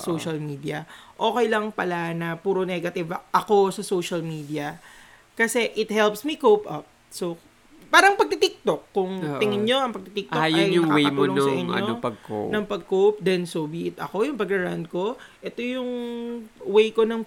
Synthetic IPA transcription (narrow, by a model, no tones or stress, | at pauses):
soʃɐlmiːd̪ijɐʔo̞ːkɛjlɐŋpɐlanɐpuːɾonɛɡɐt̪ɪvʔɐko̞sɐsoːʃɐlmiːd̪iɐ | kɐsɛʔɪt̪̚hɛlpsmikowpʔɐp̚ | so | paːɾɐŋpɐɡ̚t̪ɪt̪ɪk̚t̪okːʊŋt̪ɪŋɪnɲo̞ɐŋpɐɡ̚t̪ɪt̪ɪk̚t̪ojʊjjʊɐŋwejɐmuolonŋsɐʔɪɲːɐ̰opɐɡ̚ko̰nɐŋpɐɡ̚kowp̚d̪ɛnsobiɪt̪ɐko̞jʊŋpɐɡɐɹand̪̚ko̞ʔɛt̪o̞jʊŋ | wejko̞nɐŋ